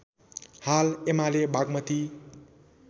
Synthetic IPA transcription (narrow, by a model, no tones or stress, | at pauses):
halemalebaɡmʌt̪i